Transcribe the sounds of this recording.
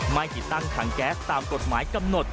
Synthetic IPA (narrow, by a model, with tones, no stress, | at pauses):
maː˧jt͡ɕḭ˧˩˥t̪a˧ŋt̪ʰaː˨˩˦ŋkɛ˨˦˥t̪aː˨˩mko˨˩t̚ma̰ː˨˩˦jkə˧mno˨˩t̚